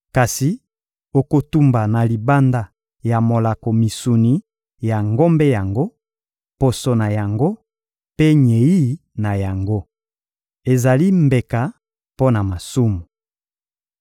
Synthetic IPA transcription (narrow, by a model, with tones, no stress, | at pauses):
ka˨si˨ | o˨ko˨tu˦mba˨na˨li˨ba˦nda˦ | ja˨mo˨la˨ko˨mi˨su˨ni˨ | ja˨ŋɡo˦mbe˦ja˨ŋɡo˦ | po˨so˨na˨ja˨ŋɡo˦ | pe˦ɲe˨ji˦na˨ja˨ŋɡo˦ | e˨za˨li˦mbe˨ka˨ | po˦na˨ma˨su˦mu˨